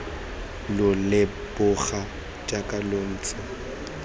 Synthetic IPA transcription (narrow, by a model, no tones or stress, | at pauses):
lʊlɪ | bʊɣa | t͡ʃʼakʼalon̩ːt͡sʼɔ